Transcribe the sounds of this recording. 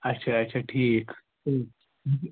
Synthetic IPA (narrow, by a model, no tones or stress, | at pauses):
ɐtːɕʰaːtːɕʰaʈʰiːk | o